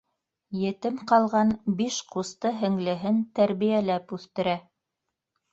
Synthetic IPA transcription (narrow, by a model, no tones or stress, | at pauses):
jɘ̆t̪ɘmqɑlˠʁɑnbiʃqust̪ɤɦɘ̆ŋlɘ̆ɦɘnt̪æɾβijælæpʉθt̪ɘ̆ɾæ